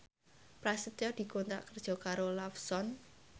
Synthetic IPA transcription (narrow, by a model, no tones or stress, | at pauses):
pɾasət̪jɔd̪̥i̤kont̪ɾa̰ʔkərd̥ʒ̥ɔ̤kaɾolafsɔn